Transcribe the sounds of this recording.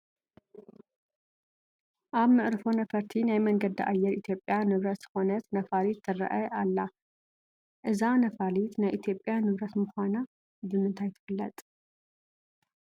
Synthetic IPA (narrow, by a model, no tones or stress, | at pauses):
ʔaβmɨʔɾɨfonɐfɐɾt̪ʰinajmɐŋɡɐd̪iʔa̰jːɛɾit̪ʰjo̞pʼːjanɨβɾɐt̪z̥ɨ̥xo̞nɐt̪nɐfalit̪ːɨɾɐ̰ʔɐalːa | ʔɨzanɐfalit̪najʔit̪ʰjo̞pʼːjanɨβɾɐt̪mɨxʷana | bɨmɨnt̪ʰajt̪ʰɨ̥fɨlːɐt̪ʼ